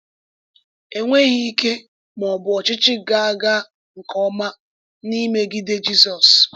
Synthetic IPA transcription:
e˨ŋʷe˦ɣi˦i˦ke˦ | m˨ɔ˨bʊ˨ɔ˨t͡ʃɪ˦t͡ʃɪ˦ɡa˨a˦ɡa˦ | ŋ̩˨kɔ˦ma˦ | ni˦me˦ɡi˦de˦d͡ʒi˦sɔ˨s

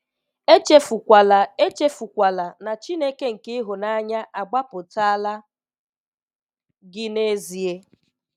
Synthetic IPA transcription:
e˦t͡ʃe˦fu˨kʷa˨la˨e˦t͡ʃe˦fu˨kʷa˨la˨na˨t͡ʃi˦ne˦ke˦ŋ̩˨ke˦ɦʊ˨na˦ɲa˦ʔa˨ɡ͡ba˦pʊ˨ta˦a˦la˦ | ɡɪ˦ne˦zi˨e˦

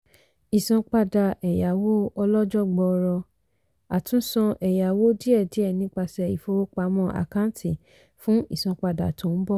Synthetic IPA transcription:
i˨sɔ̃˧k͡pa˧da˨ʔɛ˨ja˨wo˦ɔ˧lɔ˦d͡ʒɔ˦˨ɡ͡bɔ˧˨˧ɾɔ˧ | a˨tũ˦sɔ̃˧ʔɛ˨ja˨wo˦di˦ɛ˦˨di˦ɛ˦˨nĩ˨˦k͡pa˧sɛ˧i˨fo˧wo˦k͡pa˧˦mɔ̃˦ʔa̰˨kã˦n˦tʰi˦˨ | fũ˦ḭ˦˨sɔ̃˨˧k͡pa˧da̰˨tʰõ˨˦n̩˦bɔ˦

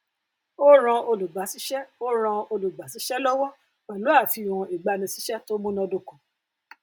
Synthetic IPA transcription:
o˦ɾ̃ã˧o˧lu˨ɡ͡ba˨˦si˦ʃɛ˦o˦ɾ̃ã˧o˧lu˨ɡ͡ba˨˦si˨˦ʃɛ˦lɔ˦wɔ˦ | k͡pɛ˨lo˨˦a˦˨fi˧˨ɾ̃ũ˧i˨ɡ͡ba˧nĩ˧si˨˦ʃɛ˦to˦mũ˦nã˧do˧kũ˨

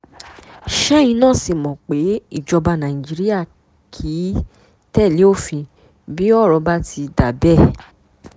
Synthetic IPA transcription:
ʃɛ˦ĩ˧nãː˦˨si˧˨mɔ̃˨k͡pe˨˦i˦˨d͡ʒɔ˧ba˧nã˨ĩ˨d͡ʒi˨˦ɾi˦ja˦˨ | kʰi˨˦ | tɛ˦˨le˨˦o˦˨fĩ˧ | bi˨˦ɔ˦˨ɾɔ˧ba˦tʰi˧da˨bɛ˦˨

